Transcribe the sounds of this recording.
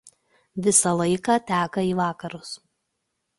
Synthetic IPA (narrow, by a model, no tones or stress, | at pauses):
ʋʲɪsɐlˠɐɪkɑːt̪ʲæːkɐiːʋɑːkɐɾʊs